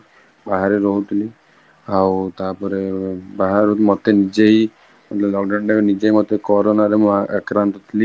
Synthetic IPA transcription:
baɦaɾeɾɔɦut̪ʰili | awt̪apɔɾebaɦaɾut̪mɔt̪enid͡ʒeɦi | mɔt̪lɔblɔɡɖəɳɖeknid͡ʒeɦimɔt̪ekɔɾonaɾemʔekɾant̪ɔt̪ʰili

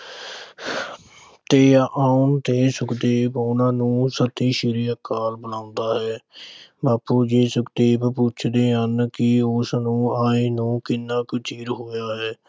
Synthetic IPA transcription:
t̪eːaːʊnt̪eːsʊkd̪eːbʊnãːnũːsət̪iːʃɪɾiːəkaːlbəlãːʊnd̪aːɦɛːbaːpuːd͡ʒiːsʊkd̪eːbpuːt͡ʃʰd̪eːɦənkɪʊsnũːaːeːnũːkɪnːãːkət͡ʃiːɾɦoːjaːɦɛː

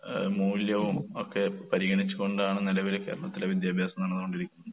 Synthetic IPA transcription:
muːljɐʋumokːe̞pɐɾiɣɐɳit͡ɕːuɣo̞ɳɖaːɳɨnilɐʋilke̞̰ːɾɐɭɐt̪ːileʋid̪jaːbʱjaːsɐmeːɳɐðukoɳɖiɾikʲːunːɐðɨ

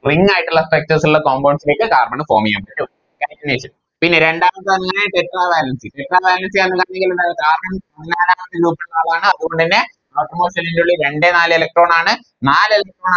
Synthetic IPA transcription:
riŋːaːjiʈːuɭːɐsek̚tɐsiuɭːɐkoːmbɐwnsile̞ːkːɨkaːrmɐɳɨfo̰ːmija̰ːmɐɾu | kaːɡineːʂɐn | pinːeɾe̞ɳɖaːmɐt̪ːɨʋɐnːɨŋaːeʈeʈːraːbaːlɐnsiʈeʈːraːbaːlɐnsiɐnːɨkaːɳɲːeŋɡilɐðaːɣɐðɨaːrmɐnpɐðinaːlaːmɐt̪ːɨɾuːpːiɭɐaːlaːɳɨɐðuɣo̞ɳɖɨinːe | aːʈːɐmoːʂɐlindeuɭːiɾe̞ɳɖenaːlɨelɐk̚ʈro̞ːɳaːɳɨ | naːlelɐk̚ʈroːna

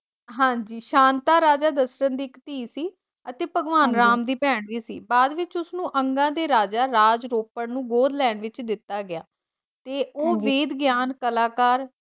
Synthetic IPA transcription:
ɦãːɲd͡ʒiːʃãːnt̪aːɾaːd͡ʒaːd̪əsɾənd̪iːkt̪iːsiː | ət̪eːpəɡʋaːnɾaːmd̪iːpɛːɳɾiːsḭːbaːd̪ʋɪt͡ʃʊsnũːʔəŋɡãːd̪eːɾaːd͡ʒaːɾaːd͡ʒɾoːpəɽnũːɡoːd̪lɛːɳʋɪt͡ʃd̪ɪt̪ːaːɡɪja̰ː | t̪eːoːʋeːd̪ɡɪjaːnkəlaːkaːɾ

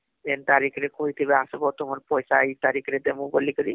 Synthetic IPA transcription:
ent̪aɾikʰɾekoɦit̪ʰibeasubɔt̪omaɾpɔjsaet̪aɾikʰɾed̪emũbolikɔɾi

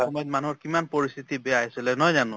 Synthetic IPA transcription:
omejd̪̚manuɦoɾkimanpoɾist̪ʰit̪ibeaaesilenɔjd͡ʒanu

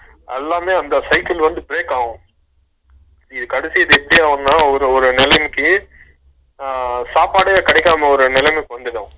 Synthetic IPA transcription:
ɛ̰lːaːmeːɐnd̪ɐsɐɪkɪlʋɐnd̪ɯpɪɾeːkaːʋʊ̃ | ɪðɯkɐɽɪsɪjɐðɯɛpːɐɽɪjaːʋɐnnaːɔɾɯɔɾɯnɪlɐmɪkːɯ | saːpaːɽɯɐkɪɽɛɪkːaːmɐɔɾɯnɪlɐmɪkːɯʋɐnd̪ɯʈːɐ̃

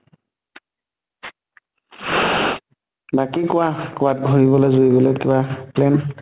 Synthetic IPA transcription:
bakikʊakʊwat̚ɡʱoɹibɔlojzoibɔlojtibaplɛn

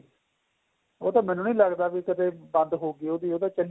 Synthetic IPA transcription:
oːt̪ãːmɛ̃ːnũːnĩːləɡd̪aːʋiːkəd̪eːbə̃nd̪ɦoːɡiːoːd̪iːoːd̪ãːt͡ʃəl

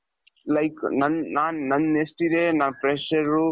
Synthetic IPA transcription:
lɐjknɐnnaːnːɐnːest̪id̪enaːnpɾeʃɐɾu

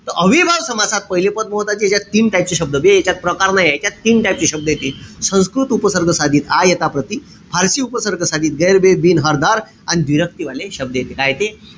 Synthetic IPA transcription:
t̪əʔəʋibʱaʋsəmasat̪̚pəɦilepəd̪̚məɦt̪at͡ɕiet͡ɕjat̪ːiːnʈajpt͡ɕiɕəb̚d̪əbieet͡ɕjat̪̚pɾəkaɾnajajt̪ʲjat̪ːiːnʈaip̚t͡ɕiɕəb̚d̪əjet̪iːsə̃skɾut̪upəsəɾɡʱəsad̪ʱiːt̪ajet̪apɾət̪i | bʱaɾsiːupəsəɾɡʱəsad̪ʱiːt̪̚ɡəjɾbebiːnɦəɾd̪aɾ | añid̪ʋiɾək̚t̪iʋaleɕəb̚d̪əjet̪ekajt̪e

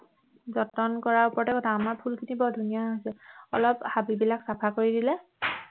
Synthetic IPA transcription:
zɔtɔnkɔɹaupɔtɛkɔtʰaːmaɹpʰulkʰinibɔdʱunijaɦojsɛɔ̰lɔphabibilaksapʰakoɹidilɛ

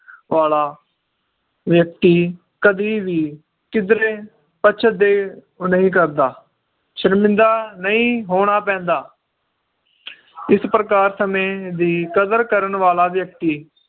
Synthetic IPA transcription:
ʋaːlaː | ʋjək̚t̪iː | kəd̪iːʋiː | kɪd̪ɾẽː | pəːt͡ʃʰəd̪eː | nəɦĩːk̬əɾd̪aː | ʃəɾmɪ̃nd̪aːnəĩːɦoːɽ̃aːpɛ̃ːnd̪aː | ɪspɾəkaːɾsəmẽːd̪iːkəd̪əɾkəɾənʋaːlaːʋjək̚t̪iː

